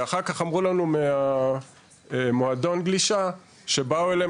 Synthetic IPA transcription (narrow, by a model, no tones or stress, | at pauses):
aχaʁkaχamʁulanumea | moado̞nɡliʃa | ʃe̞bauele